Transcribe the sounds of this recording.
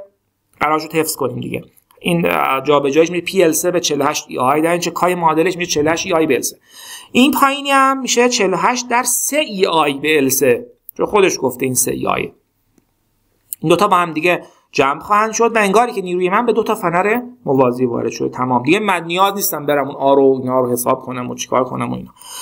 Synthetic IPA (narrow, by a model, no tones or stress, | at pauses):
ɢæɾɒːɾeʃ̬od̪̥hefsko̞niːmd̪ḭɟḛ | iːnd͡ʒɒːbe̞d͡ʒɒːjiʃmiʃepʰiːelsebet͡ʃʰelohæʃt̪ḭɒjd̪æɾimʃekʰɒːjemɒːd̪eleʃmiʃet͡ʃʰelohæʃiɒːjbeḛlseʔinpʰɒːjiniæmːiʃet͡ʃʰeloɦæʃt̪̚d̪æɾseʔiːɒːjbeːlse | t͡ʃʰonxo̞d̪e̞ʃɡ̥oft̪eiːnsḛḭːɒ̰jḛ | ind̪ot̪ʰɒːbɒːhæmd̪iɟe | d͡ʒæmbxɒːhænd̪ʃo̞d̪væe̞ŋɡɒːɾiːcʰe̞niːɾuːjemænbe̞d̪ot̪ʰɒːfænæɾemo̞vɒːziːvɒ̰ːɾe̞d̪ʃod̪et̪ʰæmɒːmd̪iɟemænːijɒːzniːst̪æmbeɾæmunɒːɾoinhɒːɾohe̞sɒ̰ːb̥̚kʰo̞næmo̰t͡ʃʰi̥kʰɒ̰ːɾkʰo̞̰næmo̰ḭːnɒ̥ː